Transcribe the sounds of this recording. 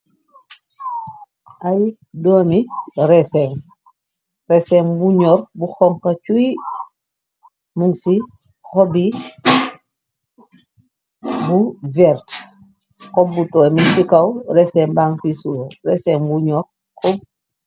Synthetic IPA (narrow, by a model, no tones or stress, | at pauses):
ʔaj | dɔːmirɛsɛŋ | ɾɛsɛŋbuɲɔɾbuxɔŋkɐt͡ʃuj | muŋsi | xɔbi | buvɛɾt | kɔbːutɔːminsikɐwɾɛsɛŋbaŋsisuɾɛsɛŋbuɲɔɾ | kɔb̚